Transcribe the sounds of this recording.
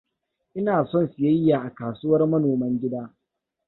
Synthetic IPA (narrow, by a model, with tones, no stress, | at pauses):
ʔɪ˦naː˨sɔ˦˨nsɪ˨jɐ˦jːaː˨ʔa˨kaː˨sʊː˦wɐ˦rmɐ˦noː˨mɐ˦ŋɡʲɪ˦daː˦